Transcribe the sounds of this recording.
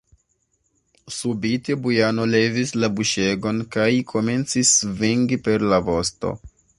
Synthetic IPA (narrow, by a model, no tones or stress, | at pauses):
subite̞bujano̞le̞vislabuʃe̞ɡo̞nkajkʰo̞me̞nt͡sisviŋɡipe̞ɾlavo̞sto̞̰